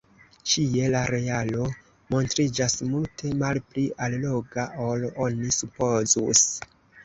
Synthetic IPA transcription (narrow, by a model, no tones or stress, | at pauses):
t͡ʃie̞laɾe̞alo̞ | mo̞ntɾid͡ʒasmultʰe̞malpliʔalloɡaʔo̞lonisupo̞zṵs